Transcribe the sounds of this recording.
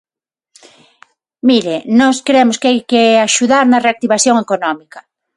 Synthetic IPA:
miɾenɔskɾemoskeajkeaʃuðaɾnɐreak̚t̪iβaθjoŋekonɔmikɐ̥

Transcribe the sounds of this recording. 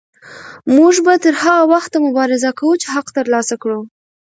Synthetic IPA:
muʒbat̪əɾhaɣawaxt̪ːamʊbɑɾɪzakawut͡ʃeɦaqt̪əɾlɑsakɽu

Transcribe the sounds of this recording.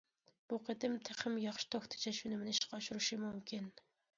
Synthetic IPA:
b̥uqʰəd̪ɪmt̪ʰeχɪmjɑχʃi̥t̪ʰoxt̪ʰɨ̥t͡ʃʰɛʃunɪmɪnɪiʃqɑɑʃuɾɨʃimumkʲʰin

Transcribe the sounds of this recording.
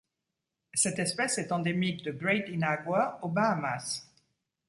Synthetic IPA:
sɛt̪ɛspɛsɛt̪ɑ̃d̪emik̚d̪əɡʁɛt̪inaɡwaobaamas

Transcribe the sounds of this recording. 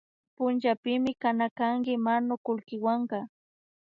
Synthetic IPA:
pʊnt͡ʃapɪmɪkanakaŋkɪmanʊkʊlkɪwaɴɢɑ

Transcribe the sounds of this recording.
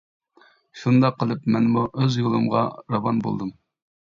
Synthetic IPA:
ʃund̪ɑqʰːəlˠɨpmɛnmuʔøzjolˠɨmʁɑ̰ɾɑvɑnbo̰lˠd̪ɨm

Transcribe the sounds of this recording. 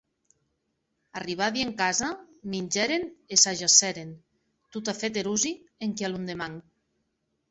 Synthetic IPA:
ariβ̞aðieŋkazaminʲd͡ʒɛɾenesaʒasɛɾen | t̪ut̪afet̪̬eɾuzieŋkealund̪emaŋ

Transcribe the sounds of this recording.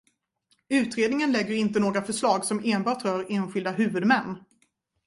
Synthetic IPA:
ʉ̟ːt̪ɾeːd̪nɪŋənlɛɡːəɾɪnt̪ənoːɡɾafœʂlɑːɡsɔmeːnbɑːʈɾœːɾeːnɧɪld̪aɦʉ̟ːvɵd̪mɛnː

